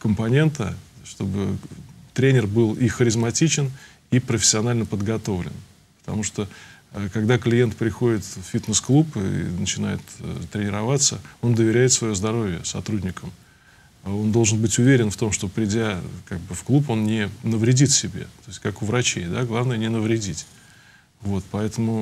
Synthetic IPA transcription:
kəmpɐnʲe̞nt̪əʂt̪o̞bɨt̪ɾʲenʲɪrbɨlˠixəɾʲɪzmɐtʲit͡ɕɪn | ipɾəfʲɪ̥sʲːɪɐnalʲnəpəd̪ɡɐt̪o̞vlʲɪ̰n | pə̥t̪ɐ̰muʂt̪oəkɐɡd̪aklʲɪje̞nt̪̚pɾʲɪxo̞dʲɪt̪ffʲit̪nəsklˠupɨ̰nət͡ɕɪna̰jɪ̰t̪t̪ːɾʲɪnʲɪɾɐvat̪sːəo̞nd̪əvʲɪɾʲæɪt̪svɐjozd̪ɐɾo̞vʲɪjəsɐ̰t̪ɾudʲnʲɪkəm | o̞nd̪olˠʐɨnbɨtʲʊvʲeɾʲɪnft̪o̞mʂt̪o̞pɾʲɪdʲakaɡ̚bɨfklˠupo̞nnʲɪnəvɾʲɪdʲit̪sʲɪbʲḛt̪o̞ɪsʲtʲkakʊvɾɐt͡ɕejd̪aɡlˠavnəjənʲɪnəvɾʲɪdʲitʲ | vo̞t̪pɐɛt̪əmʊ

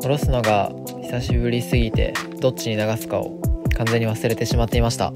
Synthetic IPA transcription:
o̞ɾo̞sɨno̞ɡa | çi̥saɕibɯ̟ɾʲisɨɡʲit̪e̞̰d̪o̞t͡ɕ͈ːiɲ̟inaɡasɨ̥kao̰kãnd͡ze̞ɲ̟ːiβasɨɾe̞t̪e̞ɕimat̪ːe̞imaɕi̥t̪a̰

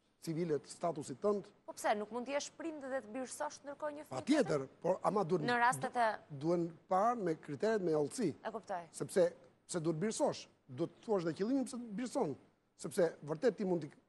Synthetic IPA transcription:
t͡sivilɛt̪st̪at̪usit̪ːənt̪pɔpsɛnukmunt̪əjɛʃpɾind̪ðɛt̪əbiɾsɔʃnd̪əɾkɔɲəfpat̪jɛt̪əɾpɔɾamad̪uɛnnəɾast̪ɛt̪ɛd̪uhɛnpaɾmɛkɾit̪ɛɾɛt̪mɛɔlˠsiɛkupt̪ɔjsɛpsɛ | psɛd̪uɛt̪̚biɾsɔʃ | d̪uɛt̪ːəθuaʃ̬ðɛcilˠiɲəpsɛt̪biɾsɔn | sɛpsɛvəɾt̪ɛt̪ːimund̪t̪

